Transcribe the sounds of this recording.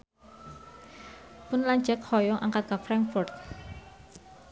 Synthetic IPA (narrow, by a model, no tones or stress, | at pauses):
pʊnlaɲd͡ʒɛk̚hɔjɔʔaŋkat̪̚ɡafɾaŋkfɔrt̪̚